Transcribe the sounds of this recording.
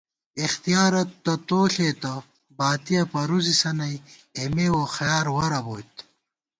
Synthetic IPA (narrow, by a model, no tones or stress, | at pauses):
ixt̪ijaːɾɐt̪ːɐt̪oːɬet̪ɐ | baːt̪ijɐpɐɾuzisɐnɐjemewoxjaːɾwɐɾɐboːjt̪